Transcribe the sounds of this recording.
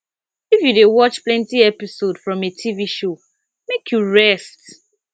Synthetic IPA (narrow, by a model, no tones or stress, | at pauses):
ifjudewɔt͡ʃplɛ̃ntiɛpisodfɹɔ̃metʰiviʃo | mekʰjuɹɛst